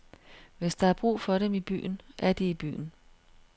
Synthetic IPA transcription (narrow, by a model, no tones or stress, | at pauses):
ʋe̝sd̥ɑ̈æb̥ʁṵːfɒ̽ɾemib̥y̰ːn̩ʔæɐd̥iib̥y̰ːn̩